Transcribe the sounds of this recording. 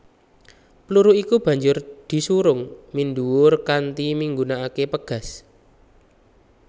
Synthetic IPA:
pəluɾuʔikub̥ä̤ɲd͡ʒʊrd̪̥i̤suɾʊŋmind̪uwʊrkant̪imiŋɡunaakepəɡ̥a̤s

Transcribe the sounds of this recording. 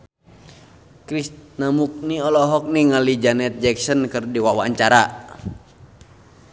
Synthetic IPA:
kɾisnamuk̚niɔlɔɦɔk̚niŋalid͡ʒanɛt̪̚d͡ʒɛksɔnkɨrdiwawaːɲt͡ʃaɾa

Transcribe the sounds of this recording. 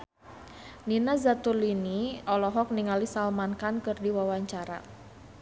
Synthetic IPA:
ninazat̪uliniɔlɔɦɔk̚niŋalisalmankankɨrdiwawaɲt͡ʃaɾa̰

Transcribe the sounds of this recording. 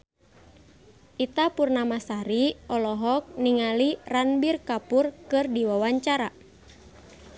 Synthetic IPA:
ʔit̪apurnamasaɾiɔlɔɦɔk̚niŋaliranbirkapurkɨrdiwawaɲt͡ʃaɾa

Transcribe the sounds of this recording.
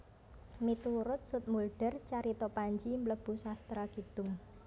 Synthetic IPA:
mit̪uɾʊt̪̚sʊt̪̚mulɖ̥ɛ̤rt͡ʃaɾit̪ɔpaɲd͡ʒimləb̥ṳsast̪ɾaɡ̥id̪̥ʊŋ

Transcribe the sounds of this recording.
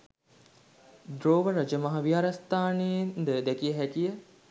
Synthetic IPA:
d̪ɾoːʋəɾad͡ʒəmɐɦɐʋiaɾast̪aːnend̪əd̪ækijəɦækijə

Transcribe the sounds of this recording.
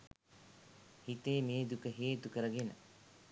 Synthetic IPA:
hit̪eːmeːd̪ukəɦeːt̪ukəɾəɡenə̰

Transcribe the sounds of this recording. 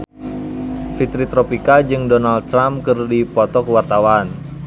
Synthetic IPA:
fit̪ɾit̪ɾopikad͡ʒɨŋdɔnald̪̚t̪ːɾamkɨrdipɔt̪ɔkəwart̪awaːn

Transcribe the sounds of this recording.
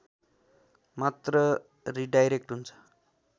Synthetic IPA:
mat̪ɾʌ | ɾiɖajɾek̚ʈɦunt͡sʰʌ̥

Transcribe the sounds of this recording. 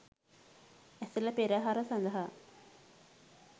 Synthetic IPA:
ɛselɐpeɾaɦaɾəsand̪əɦa

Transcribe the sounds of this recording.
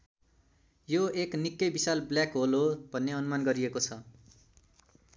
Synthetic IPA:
joeknikːʌjbisalblakɦolobʱʌnːeʌnmanɡʌɾiekot͡sʰʌ

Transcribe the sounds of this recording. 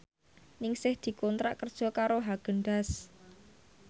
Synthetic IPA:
nɪŋsɪhd̪̥i̤kɔnt̪ɾa̰ʔkərd̥ʒ̥ɔ̤kaɾoɦaɡ̥ə̤ɳɖas

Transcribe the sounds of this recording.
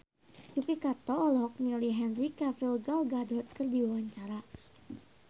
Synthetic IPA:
jukikat̪ɔːlɔk̚niliɦɛnrikafilɡalɡadɔt̪̚kərdiwawaɲt͡ʃaɾa

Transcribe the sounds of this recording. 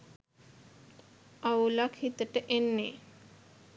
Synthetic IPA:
aulakhit̪əʈəʔenːe

